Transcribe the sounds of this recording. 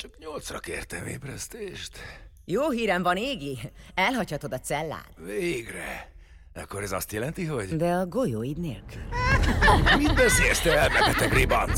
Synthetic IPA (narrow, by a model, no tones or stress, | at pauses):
t͡ʃɒkɲo̞lt̪srɒkḛːrt̪ɛmḛːbrɛst̪eːʃt̪ | joːɦiːɾɛɱvɒneːɡliɛlɦɒchɒt̪o̞d̪ɒt̪sɛlːa̰ːnveːɡrɛ | ɛkːoɾɛzɒst̪jɛlɛnt̪iɦo̞ɟd̪ɛɒɡo̞joːid̪nḛːlkyl | mit̪bøsejɛst̪ɛɛlmɛɛt̪ɛbribɒn